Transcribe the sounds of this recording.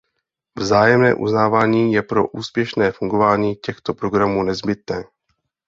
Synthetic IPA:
vzaːjɛmnɛ̰ːʔṵznaːvaːɲiːjɛpɾo̞ʔuːspjɛʃnɛːfuŋɡovaːɲiːcɛxt̪o̞pɾoɡɾamuːnɛzbɪt̪nɛː

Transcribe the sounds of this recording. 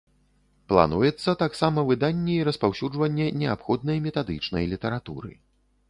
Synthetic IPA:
plˠa̰nujɛt̪sːɐt̪aksamɐvɨd̪anʲːɛiɾɐspawsʲud͡ʐvɐnʲːɛnʲɛapxɔd̪̚nɐjmʲɛt̪ad̪ɨt͡ʂnɐ̰jlʲit̪ɛɾat̪ṵɾɨ̰

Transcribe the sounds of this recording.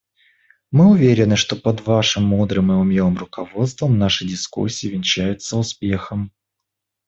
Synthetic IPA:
mɨʊvʲeɾʲɪnːɨʂt̪o̞pəd̪vaʂɨmːud̪ɾɨmɨʊmʲjoɨmrʊkɐvo̞t̪st̪vəmnaʂɨdʲɪskṵsʲːiːvʲɪnʲt͡ɕæjʊt̪səʊspʲexəm

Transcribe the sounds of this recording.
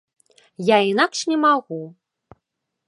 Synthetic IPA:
jainakʂnʲɛmaɣu

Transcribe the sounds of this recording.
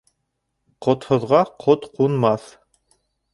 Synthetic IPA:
qŏt̪hŏðʁɑqʰot̪qunmɑθ

